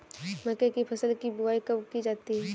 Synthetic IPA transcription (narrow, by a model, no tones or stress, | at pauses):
mɐkekipʰɐsəlkibuaːikɐbkid͡ʒaːt̪iɦɛː